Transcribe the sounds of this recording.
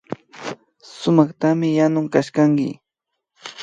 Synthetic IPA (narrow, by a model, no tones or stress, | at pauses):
sʊmɑχt̪amɪjanʊŋkaʃkaŋkɪ̰